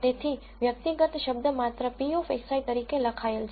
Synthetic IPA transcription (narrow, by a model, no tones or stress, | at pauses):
t̪et̪ʰi | ʋjək̚t̪iɡət̪ʃəbd̪əmat̪ɾəpiofesait̪əɾikeləkʰaeld͡ʒ